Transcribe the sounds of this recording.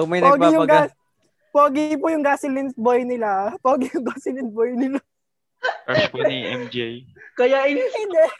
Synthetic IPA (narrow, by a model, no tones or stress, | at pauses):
omɐjnp̪ɐɡoɡpajʊɐɡa | poːɡɪpʊjʊŋɡasɪlɪnt̪̚bojnɪlapoːɡɪjʊŋɡasɪlɪn̚bojnɪla | ɛmd͡ʒjkɐjaʔɪlsɛd̪ɛ